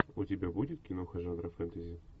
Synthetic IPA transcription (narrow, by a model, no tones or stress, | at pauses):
ʊtʲɪbʲabudʲɪt̪̚kʲɪnoxɐʐanɾɐfɛnt̪əzʲɪ